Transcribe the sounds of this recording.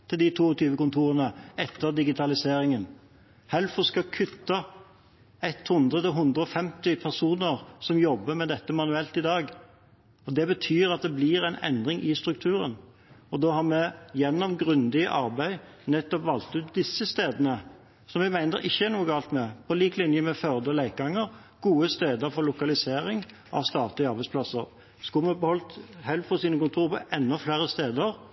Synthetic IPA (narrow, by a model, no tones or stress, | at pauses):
t̪ʰɪld̪ɪt̪ʰuːɔt̪ʰyːʋəkʊnt̪ʰuːʁənəɛt̪ːəʁd̪ɪɡɪt̪ʰɑlɪseːɾɪŋən | hɛlfɔskɑkʰʉt̪ːɑ | ɛt̪hʉnd̪ɾət̪ɪɦʉnd̪ɾəɔfɛmt̪ɪpʰæʁsuːnəʁsɔmjɔbːəmɛd̪ɛt̪ːəmɑnʉɛlt̪ɪd̪ɑːɡ | ɔd̪ɛbət̪ʰyːɾɑt̪̚d̪ɛblɪɾæɪnɛ̰nd̪ɾɪŋʔɪst̪ɾʉk̚t̪ʰʉːɾə̰n | ɔd̪oːhɑʁmɛjɛnːɔmɡɾʉnd̪ɪə̰ʔɑɾbæɪ | nɛt̪ːɔpʋɑlt̪ʉːt̪̚d̪ɪsːəst̪eːd̪ənə | sɔmɛɡmæɪnəɾɪçːəæʁnuːəɡɑlt̪mɛpʰɔliːklɪnjəmɛfœʁd̪əlæɪk̚ɡɑŋːəɾ | ɡ̥uːəst̪eːd̪əɾfɔɾlʊkɑlɪseːɾɪŋ | ʔɑ̰ʋst̪ɑːt̪lɪɑɾbæɪspʰlɑsːəɾ | skʉlmɛbəhɔlt̪hɛlfɔsiːnəkʊnt̪ʰuːɾpʰɔ̰ʔɛnːɔflæːɾəst̪eːd̪əɾ